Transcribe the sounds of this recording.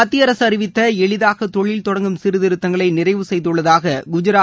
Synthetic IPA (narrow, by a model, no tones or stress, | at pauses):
ɐt̪ːijɐɾɐsɯɐrɪʋɪt̪ːɐɛɭɪðaːɣɐt̪ɔɭɪlt̪ɔɽɐŋɡɯmsɪɾɯðɪɾɯt̪ːɐŋɡɐɭɐɪnɪrɐɪʋɯsɛjðɯɭːɐðaːɣɐɡʊd͡ʒɪɾaː